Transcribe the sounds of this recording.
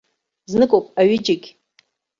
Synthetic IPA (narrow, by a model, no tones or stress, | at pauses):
znɨkʼowpʼaɥɪd͡ʒɪɡʲ